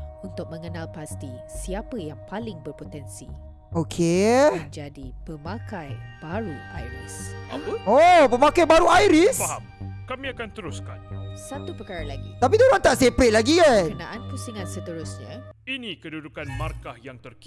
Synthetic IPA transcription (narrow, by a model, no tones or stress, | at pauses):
unt̪ʊk̚mə̃ŋənalpast̪isiapəjaŋpalɪŋbərpot̪ɛnsḭ | okʰed͡ʒadipəmãkajb̥aɾuʔa̰jɾḭsa̰əopəmakajbaɾuajɾisaɦamkamĩakant̪əɾʊska̰nsat̪upəkaɾalaɡḭt̪ap̬id̪oɾaŋt̪aʔsepɾɛt̪̚laɡiakənãʔanpusiŋãnsət̪əɾʊsɲãinĩkədudukanmarkahjaŋt̪ərk